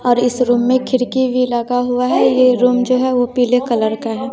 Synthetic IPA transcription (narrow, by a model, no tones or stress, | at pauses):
ɔːɾɪsɾuːmːẽkʰɪɾkibʱilaɡaɦuaɦɛjeɾuːmd͡ʒoːɦɛʋopiːlekɐləɾkaɦɛː